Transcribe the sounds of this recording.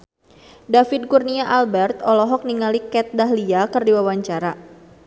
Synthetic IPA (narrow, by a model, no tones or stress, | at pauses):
dafid̪̚kurniaʔalbɛrt̪ɔlɔɦɔk̚niŋalikɛt̪̚daɦliakɨrdiwawaɲt͡ʃaɾa